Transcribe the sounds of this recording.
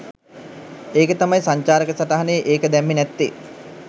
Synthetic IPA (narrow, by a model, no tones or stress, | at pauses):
eːkət̪amajsaɲt͡ɕaːɾəkəsaʈaɦanejəʔeːkəd̪ɛmːinɛt̪ːḭ